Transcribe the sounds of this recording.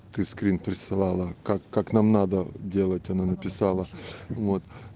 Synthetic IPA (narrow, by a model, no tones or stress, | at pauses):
t̪ɨskɾʲinpɾʲɪsɨlˠalˠəkakːaknamnad̪ədʲe̞lˠətʲɐnanəpʲɪsalˠəvo̞t̪